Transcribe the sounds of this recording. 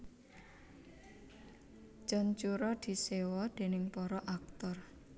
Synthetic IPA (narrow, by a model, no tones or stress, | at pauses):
t͡ʃɔnt͡ʃuɾɔd̪̥i̤sewɔd̪̥e̤nɪŋpɔɾɔʔak̚t̪ɔr